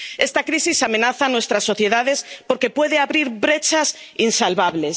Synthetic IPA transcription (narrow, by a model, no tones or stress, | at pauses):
est̪akɾisisamẽnaθanwest̪ɾasːo̞θje̞ðaðespoɾkepweðeaβɾiɾbɾet͡ʃas | insalβaβles